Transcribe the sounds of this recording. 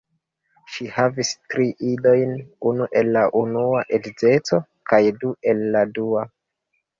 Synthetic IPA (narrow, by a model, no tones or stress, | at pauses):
ʃihavistɾiʔido̞jnunuʔe̞lːaʔunuaʔedze̞t͡so̞ | kajdue̞lːadua